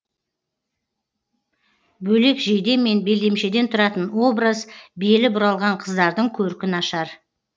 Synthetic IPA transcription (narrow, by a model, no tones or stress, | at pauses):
bɵle̞kʒejd̪e̞mːe̞nbe̞ld̪emʃe̞d̪e̞nt̪ʰʊɾɑt̪ənwo̞bɾəzbe̞lɪbʊɾɑlˠʁɑɴqʰəzd̪ɑɾd̪əɴkʲʰɵɾkʲɪnɑʃɑɾ